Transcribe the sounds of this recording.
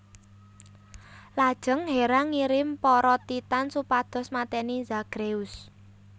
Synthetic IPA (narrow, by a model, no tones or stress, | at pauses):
lad̥ʒ̥ə̤ŋɦeɾaŋiɾɪmpɔɾɔt̪it̪ansupad̪̥ɔ̤smat̪ɛnizaɡ̥ɾeus